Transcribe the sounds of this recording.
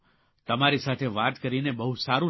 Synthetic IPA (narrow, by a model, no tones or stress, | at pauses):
t̪əmaɾisat̪ʰeʋat̪kəɾinebəɦusaɾũ